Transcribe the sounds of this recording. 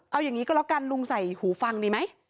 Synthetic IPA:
ʔa˧wjaː˨˩ŋiː˦kɔː˧˥˩lɔ˦˥kaː˧nlu˧ŋsa˨˩jhuː˩˦fa˧ŋdiː˧˩ma˦˥j

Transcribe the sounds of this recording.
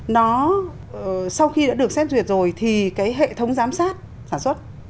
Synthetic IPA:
nɔ˨˦˨ | sa˧wxi˧ɗa̰ː˧˥ɗɨ˨˩ək̚sɛ˦˥p̚zwi˨˩ət̚zo˨˩jt̪ʰi˨˩kaː˨˦jɦḛ˧˨t̪ʰə˨˦wŋ͡mzaː˨˦msaː˦˥t̚ | saː˧˩nswə˦˥t̚

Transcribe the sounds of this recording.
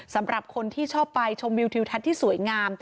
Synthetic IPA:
sa˩˦mɾa˨˩p̚kʰo˧nt̪ʰiː˥˩t͡ɕʰɔː˥˩pːa˧jt͡ɕʰo˧mwi˧wt̪ʰi˧wt̪ʰa˦˥t̪̚ʰːiː˥˩su˩˦əjŋaː˧m

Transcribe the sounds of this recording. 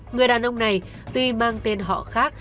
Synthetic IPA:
ŋɨ˨˩əjɗaː˨˩nʔə˧wŋ͡mna˨˩j | t̪wi˧maː˧ŋt̪e˧nɦɔ̰˧˨xaː˦˥k̚

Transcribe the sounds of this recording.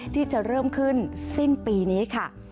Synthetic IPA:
t̪ʰiː˥˩t͡ɕa˨˩ɾɤː˥˩mkʰɯ˥˩nsi˥˩npiː˧niː˦˥kʰa˥˩

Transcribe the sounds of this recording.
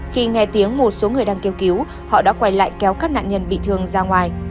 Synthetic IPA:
xi˧ŋɛ˧t̪i˨˦əŋmo˧˩t̚so˨˦ŋɨ˨˩əjɗaː˧ŋke˧wki˨˦w | hɔ̰˧˨ɗa̰˧˥kwa˧˩jla̰ː˧˨jkɛ˨˦wkaː˦˥k̚na̰ː˧˨nɲə˧nɓḭ˧˨t̪ʰɨ˨˩əŋzaː˧ŋwaː˨˩j

